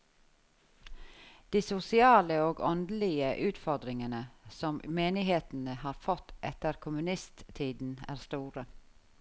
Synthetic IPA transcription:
d̪̥iːsʊsɪɑːləoːɡɔnd̪l̩ɪəʔʉːt̪fɔɾd̪ɾɪŋənəsɔmmeːnɪheːt̪n̩əhɑːɾfɔt̪ʔɛ̰t̪əɾkʰʊmʉnɪst̪t̪ʰiːd̪n̩æ̰ːɾst̪uːɾə

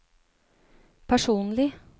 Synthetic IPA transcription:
pʰæʂuːnlɪ

